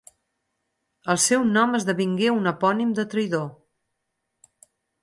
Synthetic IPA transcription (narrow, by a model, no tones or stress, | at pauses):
əlˠsɛwnɔməzðəβiŋɡeunəpɔnimd̪ət̪ɾijðo